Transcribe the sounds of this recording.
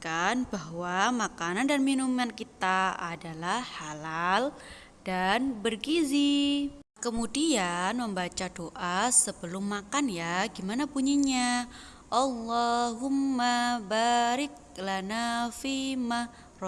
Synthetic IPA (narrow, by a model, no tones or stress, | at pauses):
kanbaɦwamakanandanminumankit̪aadalahːalal | d̥anbərɡizi | kəmudianməmbat͡ʃadoʔasəbəlʊmːakanjaɡimanapuɲiɲa | ʔɑlːaɦʊmːabaɾɪk̚lanafima | rɔ